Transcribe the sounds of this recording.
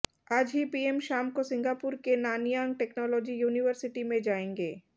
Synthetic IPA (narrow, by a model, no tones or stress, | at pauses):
aːd͡ʒɦipiːemʃaːmkosɪ̃ŋɡaːpuɾkenaːnijãːŋɡ̚ʈeːknɔːlɔːd͡ʒijuːniʋəɾsɪʈimẽd͡ʒaːẽːŋɡeː